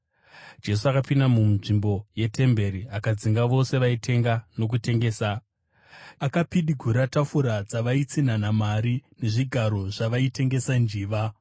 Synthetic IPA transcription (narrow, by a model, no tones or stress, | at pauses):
d͡ʒe̞s̬uakapindamumʐimbo̞je̞te̞mbe̞ɾiakad͡ziŋɡaʋo̞se̞ʋaitʰe̞ŋɡano̞k̬ute̞ŋɡe̞ːsa | akapiɗiɡʱuɾatafuɾad͡zaʋait͡sinanamaɾine̞ʐiɡʱaɾo̞ʐaʋaite̞ŋɡe̞sand͡ʒiːʋa